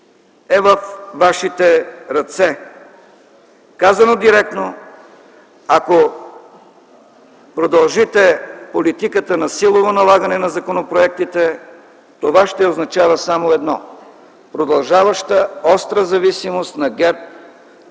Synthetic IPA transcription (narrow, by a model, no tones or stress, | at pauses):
ɛvəfvaʃit̪ɛɾɐt̪sɛ | kazɐnod̪iɾɛk̚t̪no | ako | pɾod̪ɐlˠʒit̪ɛpolit̪ikət̪ənɐsilˠovonɐlˠaɡənɛnɐzɐkonopɾoɛk̚t̪it̪ɛ | t̪ovaʃt̪ɛoznɐt͡ʃavəsamoɛd̪nɔ | pɾod̪ɐlˠʒavəʃt̪əɔst̪ɾəzɐvisimost̪nɐɡɛɾp̚